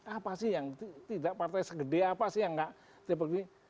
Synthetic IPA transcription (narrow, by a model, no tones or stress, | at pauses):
apasɪhjaŋt̪it̪idaʔpart̪ajsəɡədeapasɪhjaŋɡaʔ | t̪ep̬ək̚di